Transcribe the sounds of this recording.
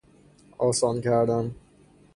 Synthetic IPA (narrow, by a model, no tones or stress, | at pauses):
ɒːsɒncʰæɾd̪æm